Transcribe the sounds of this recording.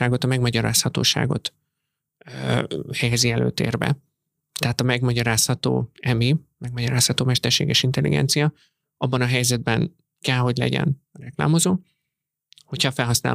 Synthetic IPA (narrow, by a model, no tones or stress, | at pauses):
aːɡot̪ɒmɛɡmɒɟɒɾaːshɒt̪o̰ːʃa̰ːɡo̞̰t̪ | hɛjɛziɛlø̰ːt̪ḛːrbɛ̰ | t̪ɛɦat̪ɒmɛɡmɒɟɒɾaːshɒt̪o̰ːɛmimɛɡ̚mɒɟɒɾaːshɒt̪oːmɛʃt̪ɛrʃeːɡɛʃint̪ɛlːḭɡɛ̰nt̪sijɒ | ʔɒbːɒnɒɦɛjzɛd̪̚bɛn | kɛlɦo̞ɟlɛ̰ɟɛ̰nrɛkla̰ːmo̞zoː | ho̞cʰhɒfɛlɦɒsna̰ːl